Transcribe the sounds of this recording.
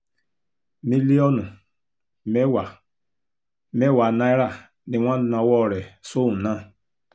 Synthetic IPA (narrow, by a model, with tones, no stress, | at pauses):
mi˦li˦ɔ˦nu˨ | me˦wa˨ | me˦˨wa˨na˦i˦ɾa˦˨ | nĩ˨wã˦n˨˦nã˨wɔ˦˨ɾɛ˨so˦ũ˨nã˦˨